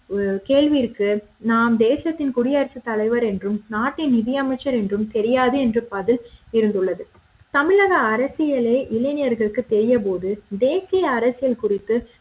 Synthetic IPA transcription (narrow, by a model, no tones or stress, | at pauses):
keːɭʋiːɾkɯ | naːmd̪eːsɪjɐt̪ːɪnkʊɽɪjɐɾɐsɯt̪ːɐɭɐɪʋɐɾɛndrɯmnaːʈːɪnnɪðɪjɐmɐɪt͡ʃːɐɾɛndrɯmt̪ɛɾɪjaːðɯɛndrɯpɐðɪlɪɾɯnd̪ɯɭːɐðɯ | t̪ɐmɪɻɐɣɐːɾɐsɪjɐɭeːʔɪlɐɪnɪjɐɾɣɐɭɯkːɯt̪ːɛɾɪjɐpoːðɯd̪eːsɪjɐːɾɐsɪjɐlkʊrɪt̪ːɯ